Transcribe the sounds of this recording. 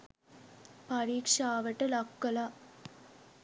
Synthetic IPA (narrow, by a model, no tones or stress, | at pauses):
pɐɾiːkʂaːʋɐʈːɐlɐkːɐlaː